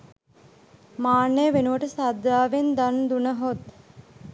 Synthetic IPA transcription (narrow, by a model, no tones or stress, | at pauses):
maːnːejʋenuʋəʈəsad̪ːaːʋend̪and̪unəɦot̪